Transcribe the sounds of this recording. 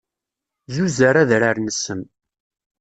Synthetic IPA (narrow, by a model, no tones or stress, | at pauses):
zuzəɾæðɾaɾnəsəm